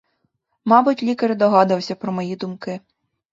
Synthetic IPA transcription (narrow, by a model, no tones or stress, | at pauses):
mɑbʊtʲlʲikɐɾd̪ɔɦɑd̪ɐwsʲɐpɾɔmɔjid̪ʊmkɪ